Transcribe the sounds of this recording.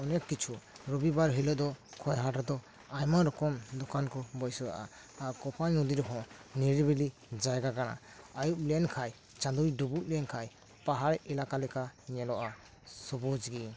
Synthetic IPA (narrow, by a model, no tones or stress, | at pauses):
ɔnɛkːit͡ʃʰuɾɔbibaɾɦilɔd̪ɔkʰɔjɦaʈad̪ɔ | ajmaɾɔkɔmd̪ɔkankɔbɔjsɔɾa̰ʔa̰ | aɾkɔpʰaɲud̪iɾɔɦɔ̃niɾibilid͡ʒajɡakana̰ | ajuʔ̚lɛnkʰaj | t͡ʃãd̪ujɖubuʔ̚lɛnkʰaj | paɦaɾilakalɛkaɲɛlɔʔa | sɔbud͡ʒɡi